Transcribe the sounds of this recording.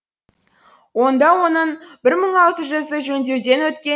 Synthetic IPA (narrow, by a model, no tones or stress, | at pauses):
wo̞nd̪ɑwo̞nəɴbɪɾməɴɑlˠt̪əʒəzəʒɵnd̪e̞wd̪e̞nwɵt̪kʲe